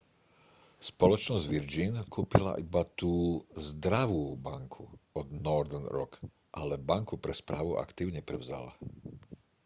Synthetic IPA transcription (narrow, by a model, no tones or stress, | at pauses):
spɔlɔt͡ʃnɔzɟʋiɾd͡ʒinkʰuːpila̰ʔibat̪uːzd̪ɾaʋuːbaŋkʰuɔd̪nɔɾd̪ɛnɾɔ̰k | ʔalɛbaŋkupɾɛspɾaːʋuʔa̰kt̪iːʊɲɛpɾɛʊza̰la̰